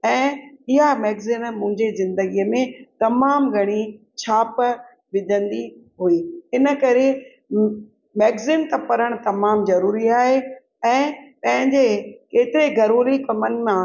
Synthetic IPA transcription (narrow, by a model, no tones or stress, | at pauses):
ɛ̃ːɪɦameːɡzɪnmʊ̃ɦɪ̃ɲd͡ʑezɪ̃nd̪əɡijəmẽt̪ɐmaːmɡʱɐɽ̃i | t͡ɕʰaːp | ʋɪd̪ʱə̃nd̪iɦuiːɪnə̆kɐɾe | meːɡzɪnt̪ɐpɐɾəɽ̃t̪ɐmaːmzɐɾuːɾiaːɦe | ɛ̃ːpɐ̃ɦɪ̃ɲd͡ʑekeːt̪ɪɾeɡʱɐɾoːlikɐmənɪ̆mã